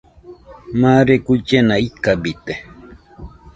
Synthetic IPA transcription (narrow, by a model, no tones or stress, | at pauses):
maɾekut͡ʃenaikabit̪e